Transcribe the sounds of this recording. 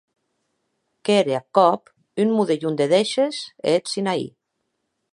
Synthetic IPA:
keɾeakɔp | ynmuðeʎund̪eðeʃeset̪sinaḭ

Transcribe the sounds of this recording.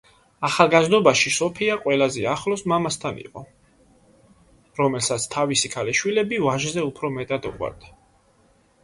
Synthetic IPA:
aχalˠɡazd̪ɔbaʃisɔpʰiaqʼwɛlazɛaχlɔsmamast̪ʰanḭqʼɔ | ɾɔmɛlsat̪sʰt̪ʰavisikʰalɛʃwilɛbivaʒzɛupʰɾɔmɛt̪ʼad̪ɔqʼwa̰ɾd̪̥a

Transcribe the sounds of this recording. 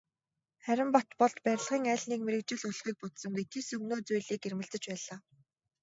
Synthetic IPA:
χæɾʲɪ̆mpɔt̪pɔɮt̪pæɾ̆ʲɮʁiːŋæːɮniːkmeɾɘ̆k̚t͡ɕɪ̆ɮʊɮχiːk̚pɔt̪sɞ̆ŋɡet̪ʰeːsɵɣnoːt͡sujɮiːkermɘ̆ɮt͡sɘ̆t͡ɕpæːɮaː

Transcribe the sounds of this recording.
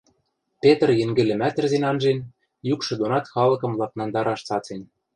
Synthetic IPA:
pet̪rjɘ̆ŋɡɘ̆lɘ̆mæt̪ɘ̆rzenɑnʒen | jukʃɤ̆d̪onɑt̪xɑlɤ̆kɤ̆mlɑk̚nɑnd̪ɑɾɑʃt͡sɑt͡sen

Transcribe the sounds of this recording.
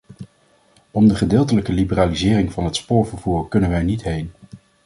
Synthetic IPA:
ɔmdəχədɪːlˠt̬ələkəlibəraːlizɪːrɪŋvɑnɦətspʊːɹvəɹv̥uːɹkɵnənʋɛjnitɦejn

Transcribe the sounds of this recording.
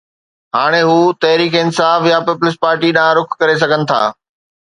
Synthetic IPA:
ɦaːɽ̃eɦuːt̪ɐɦɾiːkeɪnsaːfjapɪplɪspaːɾʈiɗãɾʊkʰkːɐɾes̬ɐɡʱənɪ̆t̪ʰa̰ː

